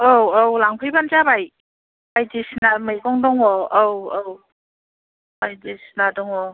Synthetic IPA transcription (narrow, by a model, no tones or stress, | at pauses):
ɔwawlaŋpʰɯjbant͡ʃabaj | bajdisnamɯjkɔŋdɔŋɔowaw | bajdisnadɔŋɔ